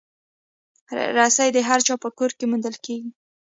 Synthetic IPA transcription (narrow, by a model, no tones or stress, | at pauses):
ɾasajd̪əɦaɾt͡ʃɑpəkoɾkemund̪əlkeɡi